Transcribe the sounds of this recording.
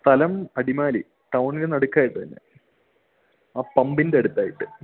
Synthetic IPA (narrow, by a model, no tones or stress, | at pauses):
st̪ʰɐlɐmɐɽimaːli | ʈɐwɳilenɐɽukʲːaːjiʈːɨt̪inːḛ | aːpɐmbindeːɽut̪ːaːjiʈːɨ